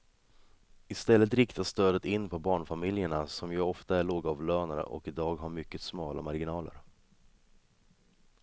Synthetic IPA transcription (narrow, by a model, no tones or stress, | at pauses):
ɪst̪ɛlːət̪ɾɪkt̪ast̪øːd̪ət̪ɪnːpʰɔbɑːɳfamɪljəɳasɔmjɑɔft̪aæɭoːɡaːvløːnaɾə̰ʔɔ̰kɪd̪ɑːɡɦaɾmʏkːət̪smɑːlʔa̰maɾɡɪnɑːlə̰ɾ